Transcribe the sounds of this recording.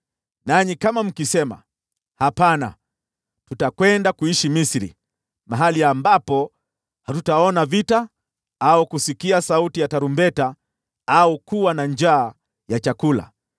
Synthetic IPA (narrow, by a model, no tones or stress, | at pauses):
naɲikamam̩kisɛma̰ | hapana̰ | tutakwɛndakuiʃimisiɾḭ | maɦaliambapɔ | hatutaɔnavita | aukusikiasautijataɾumbɛta | aukuwanaɲd͡ʒaː | jat͡ʃakula̰